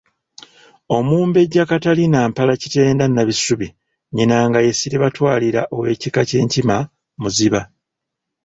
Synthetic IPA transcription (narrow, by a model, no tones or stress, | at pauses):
o̞muːmbe̞ɟːakatalinaːmpalacite̞ːndanːaβisuβi | ɲinaŋɡaje̞siɾeβatwaːliɾa̰ʔo̞we̞ːcikace̞ːɲcima | muziβa